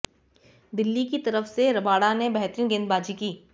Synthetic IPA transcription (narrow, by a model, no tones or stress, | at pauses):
d̪ɪlːikit̪ɐɾəfseɾɐbaːɽanebɛɦt̪ɾiːnɡɪ̃nd̪baːd͡ʒikiː